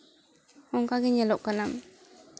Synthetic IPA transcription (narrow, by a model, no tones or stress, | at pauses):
ʊŋkakiɲelʊkːənam